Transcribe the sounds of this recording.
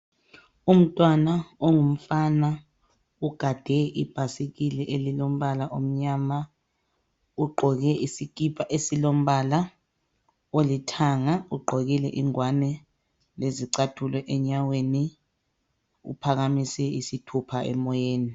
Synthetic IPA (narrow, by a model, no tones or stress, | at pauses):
um̩tʼwanaoŋum̩fana | uɡ̥ʱad̥ʱɛʔib̥ʱasikilɛʔelilom̩βalaʔom̩ɲama | uɡ͡ǃʱɔɣɛʔisik̬ʼipʰaʔesilom̩βala | olitʰaŋauɡ͡ǃʱɔɣilɛʔiŋwanɛ | leziǀatʰulwɛʔɛɲaweni | ṵpʰaɣamisɛisitʰupʰaɛ̰mɔjeːni